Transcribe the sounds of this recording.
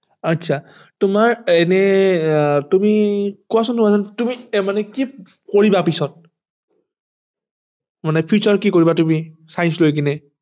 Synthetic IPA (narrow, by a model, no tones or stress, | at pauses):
atːt͡ʃʰa | tʊmaɹɛnɛ | tumikuasʊntʊmazantumimanɛki | koɹibapisɔt̚ | manɛpʰut͡ʃɔɹkikoɹibatumisajnslojk̬inɛ